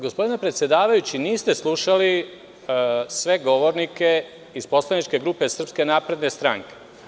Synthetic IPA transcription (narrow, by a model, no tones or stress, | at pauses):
ɡospo̞d̪ine̞pɾe̞t̪sjed̪aːʋajut͡ɕiniːst̪e̞slˠuʃali | sʋe̞ɡo̞ʋo̞ɾnike̞ | ispo̞slˠanit͡ʃke̞ɡɾuːpe̞sr̩pske̞naːpɾe̞d̪nest̪ɾaŋke̥